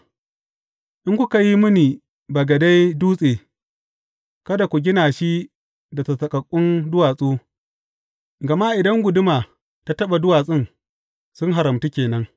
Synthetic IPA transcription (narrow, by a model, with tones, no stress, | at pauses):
ʔɪ˦ŋkʷu˦ka˨ji˦mʊ˦ni˨ | ba˨ɡɐ˨da˦jduː˦sʼeː˨ | kɐ˦da˨kʷu˨ɡʲɪ˦naː˨ʃi˦ | da˨tɐ˨sɐ˨kʼɐ˨kʷʼːʊ˦ndʊ˦waː˨sʼoː˦ | ɡɐ˨ma˦ʔɪ˨dɐ˦ŋɡʷʊ˨dʊ˦maː˨ | ta˦tɐ˦ɓa˨dʊ˦waː˨sʼɪ˦ŋ | sʊ˦ŋɦa˨ɾɐ˨mti˦kʲeː˨nɐ˦ŋ